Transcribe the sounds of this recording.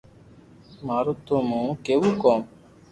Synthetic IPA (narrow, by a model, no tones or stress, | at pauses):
maːɾoːt̪oːmũːkeːʋuːkoːm